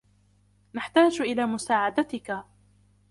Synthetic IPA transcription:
naħt̪aːd͡ʒʔɪlaːmʊsaːʕad̪at̪ɪka

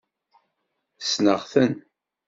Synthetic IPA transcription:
snəʁθən

